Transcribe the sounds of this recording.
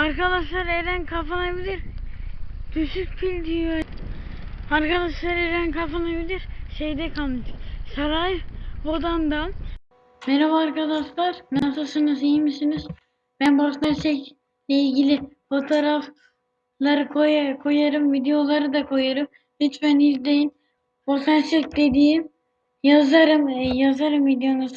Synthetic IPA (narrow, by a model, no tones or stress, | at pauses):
aɾkad̪aʃlˠaɾeɾænkʰafanabilʲiɾ | d̪̥yʃyk̚pʰilʲd̪ijo | aɾkʰad̪aʃlˠaɾeɾænkʰafanabilʲiɾʃejd̪ɛkʰalˠmɯʃsaɾajbo̞d̪and̪an | mɛɾavaːɾkad̪aʃlˠaɾnasɯlˠsɯnɯzijmisiniz̥ | bænbosnaɾʃɛc | lʲɛilʲɟilʲifo̞t̪ʰoɾaf | lˠaɾɯkʰojakʰo̞jaɾɯmvid̪ejo̞lˠaɾɯd̪akʰo̞jaɾɯm | hit͡ʃbænizd̪ʲejin | bosaɾʃɛcd̪e̞d̪iːim | jazaɾɯmjazaɾɯmvid̪ejo̞nuz